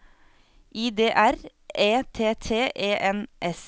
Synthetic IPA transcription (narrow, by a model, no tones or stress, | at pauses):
ʔiːd̪eːʔæɾ | ʔeːt̪ʰeːt̪ʰeːʔeːʔɛnʔɛs